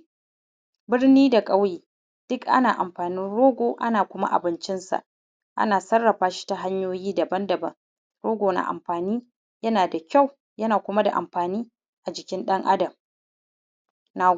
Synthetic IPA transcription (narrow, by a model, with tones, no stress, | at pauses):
bɪ˦rniː˦da˨kʼɐ˦wjiː˨ | d̥ʊ˦kʔa̰˦naː˨ʔa˨mɸaː˨nɪ˦nɽoː˦ɡʷoː˨ʔa̰˦naː˨kʷʊ˦ma̰˦ʔa̰˨bɪ˨˦nt͡ʃɪ˦nsa̰˨ʔ | ʔa̰˦naː˨sɐ˦rːɐ˨ɸaː˨ʃi̥˦ta˨ɦa˦ɲjoː˦jiː˦dɐ˨bɐ˦ndɐ˨bɐ˦ŋ | ɾoː˦ɡʷoː˨na̰ː˨ʔa̰˨mɸaː˨niː˦ | jɐ˦naː˨da˨kʲa˦˨w | jɐ˦naː˨kʷʊ˦ma˦da̰˨ʔa̰˨mɸaː˨niː˦ | ʔa˨d͡ʒɪ˨kʲɪ˦nɗɐ˦ŋʔa˦dɐ˨m | naː˨